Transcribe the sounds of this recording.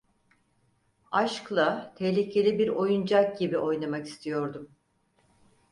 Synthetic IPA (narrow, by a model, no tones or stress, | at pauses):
aʃklˠat̪ʰehlʲicʰe̞lʲibiɾo̞jund͡ʒak̚ɟibiʔo̞jnamaki̥st̪ʰijo̞ɾd̪um